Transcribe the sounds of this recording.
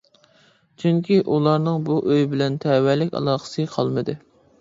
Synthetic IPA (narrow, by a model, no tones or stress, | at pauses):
t͡ʃʰyŋkʲiʔulˠɑɾnɨŋbuʔøjbɪlɛnt̪ʰɛwɛlɪkʲɑ̰lˠɑːqə̥sɨqʰɑlˠmɨd̪ɨ